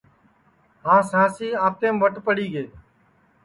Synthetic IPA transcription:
ɦãːsãːsiːaːt̪eːmʋəʈpəɽiːɡeː

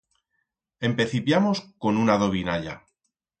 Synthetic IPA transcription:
e̞mpe̞θipjamo̞sko̞nunaðo̞β̞inaʎa̰

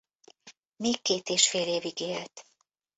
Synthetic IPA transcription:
meːkːeːt̪eːʃfeːleːviɡeːlt̪

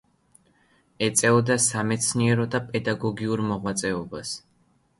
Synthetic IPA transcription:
ɛt̪sʼɛɔd̪asamɛt̪sʰniɛɾɔd̪apʼɛd̪aɡɔɡiuɾmɔʁwat̪sʼɛɔbas

